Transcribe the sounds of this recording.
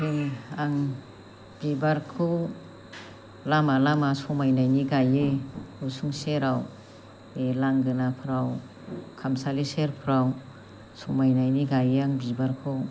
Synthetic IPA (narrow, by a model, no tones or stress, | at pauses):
piŋaŋ | b̥ibaɾkʰɯ | lamalamasɔmajnajniɡajeusuŋseɾaw | elaŋɡɯnapʰɾaw | kʰamsaliseɾpʰɾaw | sɔmajnajniɡajeaŋbibaɾkʰɯ